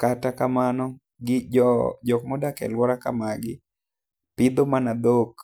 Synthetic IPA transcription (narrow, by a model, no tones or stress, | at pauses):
katakamanɔ | ɡɪd͡ʒɔkmɔdakɛ̰lwɔɾakamaɡɪ | pɪd̪omanad̪ok